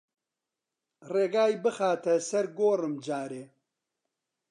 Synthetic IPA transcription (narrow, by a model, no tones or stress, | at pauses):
reːɡaːjbɨxaːt̪ʰɐsɐɾɡoːrɨmd͡ʒaːɾeː